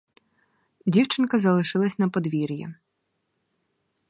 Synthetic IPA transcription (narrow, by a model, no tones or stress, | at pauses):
dʲiwt͡ʃɪnkɐzɐlˠɪʃɪlˠɐsʲnɐpɔd̪ʋʲiɾʲjɐ̰